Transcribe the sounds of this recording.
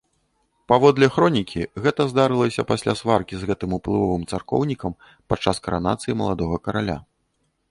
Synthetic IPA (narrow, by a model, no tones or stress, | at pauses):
pavɔd̪lʲɛxɾɔnʲikʲiɣɛt̪ɐzd̪aɾɨlˠɐsʲɐpasʲlʲasvarkʲizɣɛt̪ɨmuplˠɨvɔvɨmt̪sarkɔ̰wnʲikɐm | pat͡ʂːaskɐɾana̰t̪sɨjimɐlˠad̪ɔɣɐkɐɾalʲa̰